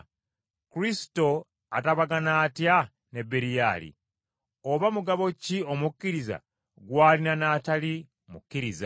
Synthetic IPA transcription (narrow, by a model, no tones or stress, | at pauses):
kuɾisto̞ | a̰taβaɡanaːtja | ne̞bːeɾijaːlḭ | oβamuɡaβo̞cio̞mukːiɾiza̰ | ɡwaːlinanaːtali | mukːiɾiza